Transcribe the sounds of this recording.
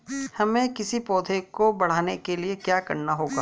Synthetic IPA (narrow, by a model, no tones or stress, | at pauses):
hɐmẽkɪsipɔːd̪ʱʰekobɐɽ̤aːnekeliekjaːkɐ̰ɾnaɦoːɡa̰ː